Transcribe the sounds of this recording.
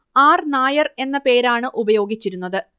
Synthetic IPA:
aːrnaːjɐre̞nːɐpe̞ːɾaːɳɨʔubɐjo̞ːɡit͡ɕːiɾun̪ːɐðɨ

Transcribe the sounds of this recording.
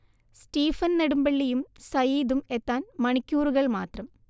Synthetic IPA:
sʈiːfɐnnɐɽumbɐɭːijumsɐjiːd̪umet̪ːaːnmɐɳikʲːuːruɣɐɭmaːt̪rɐm

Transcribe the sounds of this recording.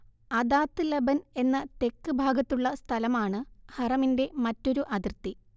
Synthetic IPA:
ɐd̪aːt̪ːɨlɐbɐne̞nːɐt̪e̞kːɨbʱaːɡɐt̪ːuɭːɐst̪ʰɐlɐmaːɳɨhɐrɐminde̞mɐtːo̞ɾuʔɐd̪irt̪ːi

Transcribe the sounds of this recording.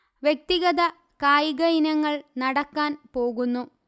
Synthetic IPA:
ʋjek̚t̪iɣɐðɐ | kaːjiɣɐjinɐŋːɐɭnɐɽɐkːaːnpo̞ːɣunːu

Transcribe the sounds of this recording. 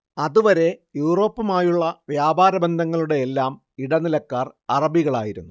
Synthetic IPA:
ɐðuʋɐɾe̞juːro̞ːpːɐmaːjuɭːɐʋjaːbaːɾɐbɐnd̪ʱɐŋːɐɭuɽe̞ːlːaːm | iɽɐnilɐkːaːrɐrɐbʱiɣɐɭaːjiɾunːu

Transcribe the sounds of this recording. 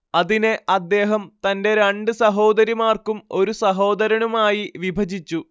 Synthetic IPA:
ɐðineʔɐd̪ːe̞ːɦɐmt̪ɐnde̞ɾɐɳɖɨsɐɦo̞ːd̪ɐɾjimaːrkumo̞ɾusɐɦo̞ːd̪ɐɾɐɳumaːjiʋibʱɐd͡ʑit͡ɕːu

